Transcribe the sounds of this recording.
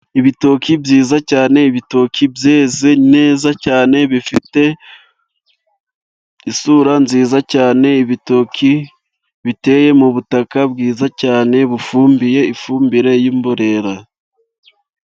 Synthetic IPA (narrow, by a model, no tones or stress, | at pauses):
iβitokibjiːzacaːne̞iβito̞kʰibje̞ːze̞ne̞ːzacaːne̞βifite̞ | isuɾanziːzacaːne̞iβito̞kʰi | βite̞ːje̞muβutakab̚ɡiːzacaːne̞βufuːmbije̞ifuːmbiɾe̞jiːmboɾe̞ɾa